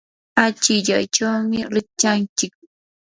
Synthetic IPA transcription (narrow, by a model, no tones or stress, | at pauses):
at͡ʃɪʎajt͡ʃawmɪɾɪt͡ʃant͡ʃɪk̚